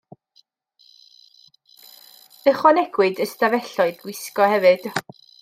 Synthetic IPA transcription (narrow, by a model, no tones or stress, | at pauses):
əχwanɛɡ̥wɨdəstavɛɬɔɨdɡwɪskɔhɛvɨd̥